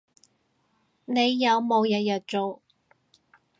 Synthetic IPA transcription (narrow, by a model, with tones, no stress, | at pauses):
ne˨˧jːɐ˨˧wmo˨˧wjɐ˨˧˥jœː˨t̚t͡ʃo˨w